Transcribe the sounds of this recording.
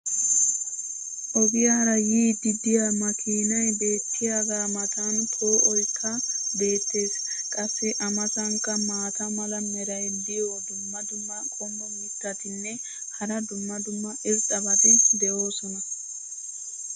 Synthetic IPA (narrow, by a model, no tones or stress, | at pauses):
ʔɔɡɪjaɾɐjiːd̪ɪd̪ɪjamɐkʰiːnɐjbe̞ːt̪ʰːɪjaːd̪aːmɐt̪ɐnt̪ʰo̞ːʔɔjkʰːɐbe̞ːt̪ːe̞ːs | kʼɐsːɛʔɐmɐsɐŋkːɐmaːt̪ɐmɐlɐmɛɾɐjd̪ɪjd̪ʊmːɐd̪ʊmːɐkʼɔmːɔmɪt̪ːɐt̪ɪnːɛ | hɐɾɐd̪ʊmːɐd̪ʊmːɐʔɪztːɐbɐt̪ɪd̪ɛʔo̞ːsɔnɐ